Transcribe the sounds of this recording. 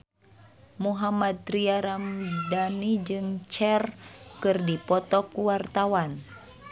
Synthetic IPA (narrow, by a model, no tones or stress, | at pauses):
muɦamad̪̚ɾiaɾamdanid͡ʒɨŋt͡ʃɛrkɨrdipɔt̪ɔkuwart̪awan